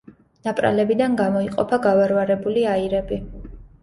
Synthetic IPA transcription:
napʼɾa̰lɛbid̪anɡamɔiqʼɔ̰pʰaɡavaɾvaɾɛbuliaiɾɛbi

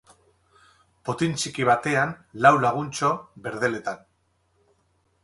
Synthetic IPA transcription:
po̞t̪int͡ʃikiβat̪e̞anlawlaɣ̞unt͡ʃo̞βe̞ɾð̞e̞le̞t̪an

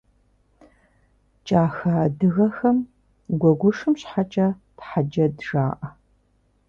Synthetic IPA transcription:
t͡ʃʼaːxɐdɨɣɐxɐm | ɡʷɔɡʷʊʂɨmɕħat͡ʃʼɐtħad͡ʒɐdʒaːʔɐ

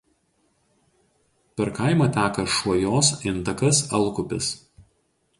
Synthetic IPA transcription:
pʲɛɾkɐɪmɐt̪ʲæːkɐʃuɔjoːsɪnˑt̪ɐkɐsɐlˠkʊpʲɪ̰s

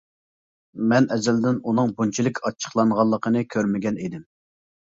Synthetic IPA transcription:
mɛnɛzɛld̪ɪnunɨŋbunt͡ʃʰilˠɪkʲʰɑt͡ʃʰːə̥χlˠɑɴʁɑlˠːəqʰənɨkʲʰøɾmɪɡʲɛnid̪ɪm

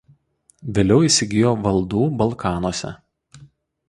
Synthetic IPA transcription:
ʋʲeːlʲɛʊiːsʲɪɡʲɪjoːʋɐlˠd̪uːbɐlˠkʰɑːnoɔːsʲɛ̰

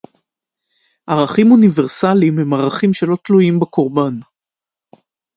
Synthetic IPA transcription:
ʔaʁaχimoniveʁsalimhemaʁaχimʃelo̞t̪luimbakʰo̞ʁban

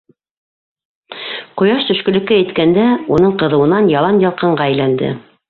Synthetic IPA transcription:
qŏjɑʃt̪ɵ̆ʃkɵ̆lɘ̆kɘæt̪kænd̪æunɤɴqɤ̆ðɤ̆wɤ̆nɑnjɑlˠɑnjɑlˠqɤ̆ɴɢɑæjlænd̪ɘ̰

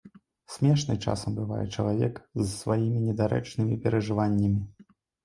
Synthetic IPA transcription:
sʲmʲɛʂnɨt͡ʂa̰sɐmbɨvajɛ̰t͡ʂɐlˠavʲɛkzsvajimʲinʲɛd̪aɾɛ̰t͡ʂnɨmʲipʲɛɾɐʐɨvanʲːɐmʲi

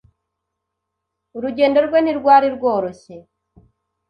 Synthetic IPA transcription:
uɾuɟe̞ːndo̞ɾɡwe̞niɾɡwaːɾiɾɡoːɾo̞ɕe

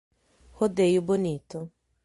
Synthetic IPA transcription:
hodejubonito

